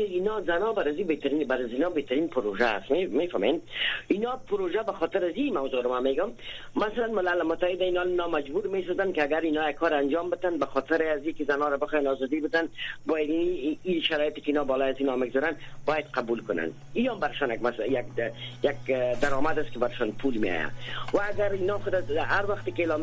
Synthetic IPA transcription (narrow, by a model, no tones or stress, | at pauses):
ɪinɔzanɔbaɾazibet̪aɾinbaɾazinɔbeht̪aɾinpʊɾoʒa̰ːst̪memefamḛninɔpʊɾoʒabaxɔt̪ɪɾazimawzoɾɔmameɡʊmː | asalanmɪlalmʊt̪ːahɪd̪ainɔnɔmad͡ʒbuɾmes̬ɔzankɪaɡaɾinɔjaɡkʰːɔɾand͡ʒɔmbɪt̪anbaxɔt̪ɪɾɪazikɪzanɔɾabɪxɔjanɔzɔd̪ibɪt̪anbɔjad̪ːʃaɾɔjɪt̪ɪ̥kɪinɔbɔlɔjazinɔmɪɡzɔɾanbɔjad̪̚qabulkʊna̰n | iambaɾɪʃɔnjakmasjak̚jakd̪aɾɔmad̪askɪbaɾɪʃɔnpʰulmḛɔ̰ja̰waːɡaɾinɔxʊd̪aaɾwaxt̪ekɪelɔm